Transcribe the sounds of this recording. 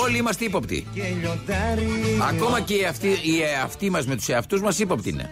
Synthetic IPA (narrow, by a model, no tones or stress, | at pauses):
o̞liimɐst̪eipopt̪ḭeʎod̪aɾiɐ̰ko̞mɐceiɐft̪iiɐft̪imɐzme̞t̪u̥seɐft̪uzmɐsipopt̪ḭnḛ